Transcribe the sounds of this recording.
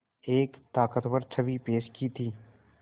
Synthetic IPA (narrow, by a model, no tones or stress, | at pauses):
eːkt̪aːkət̪wəɾt͡ʃʰəʋipeːʃkit̪ʰiː